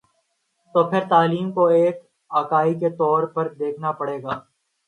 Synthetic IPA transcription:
t̪oːpʰɪɾt̪aːliːmkoeːk | aːkaːiket̪ɔːɾpɐɾd̪eːkʰnapɐɽeːɡaː

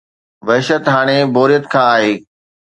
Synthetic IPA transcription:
ʋɐɦɪʃət̪ɦaːɽ̃eboːɾijət̪kʰãːaːɦeː

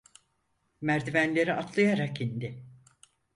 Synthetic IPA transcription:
mæɾd̪ivænlʲe̞ɾiʔat̪ʰlˠajaɾakind̪ɪ

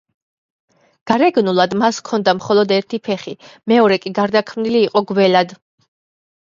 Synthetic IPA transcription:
ɡ̥aɾɛɡnulˠad̪maskʰɔnd̪amχɔlˠɔd̪ɛɾt̪ʰipʰɛχimɛɔɾɛkʼiɡaɾd̪akʰmniliːqʼɔɡwɛlad̪

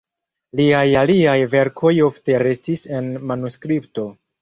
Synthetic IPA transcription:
liajaliajve̞ɾkʰo̞jo̞fte̞ɾe̞stise̞nmanuskɾipto̞

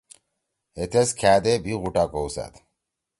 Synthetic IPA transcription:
het̪ʰeskʰæd̪ebiɣuʈakowsæ̰t̪

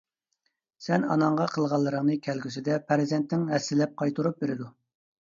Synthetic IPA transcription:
sɛnɑ̰nɑɴʁɑqʰəlˠʁɑlˠːəɾəŋnɨkʲʰɛlɡʲysɪd̪ɛpʰæɾzɛnt̪nɪŋɦɛsːɪlɛp̚qʰɑjt̪ʰuɾup̚beɾɪd̪u

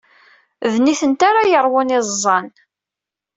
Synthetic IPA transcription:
ðniθənt̪aɾajəɾˤwʊnɪzˤzˤːɑn

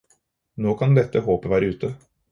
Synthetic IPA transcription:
noːkʰand̪ɛt̪ːəɦoːpəvæːɾəʉ̟ːt̪ə

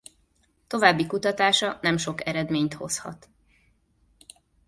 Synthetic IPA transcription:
t̪o̞vaːbːikut̪ɒt̪aːʃɒnɛmʃo̞kɛɾɛd̪meːɲt̪ho̞̰shɒ̰t̪

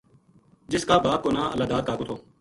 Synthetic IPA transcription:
d͡ʒɪskaːbaːp̚koːnaːʔə̰laːd̪aːd̪̚kaːɡoːt̪ʰoː

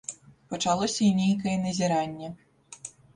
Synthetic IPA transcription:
pɐt͡ʂalˠɔsʲɐinʲejkɐjɛnɐzʲiɾanʲːɛ

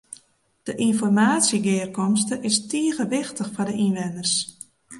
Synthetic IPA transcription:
d̥əʔinfɔrmaːtsjiɡɪːrkɔmstəʔɪstiəɣəʋɪxtəxfɔdəʔinʋɛnərs

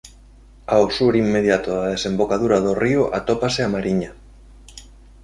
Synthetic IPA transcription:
aosuɾimːeðjat̪oðaðesembokaðuɾaðorioʔa̰t̪opaseamaɾiɲa

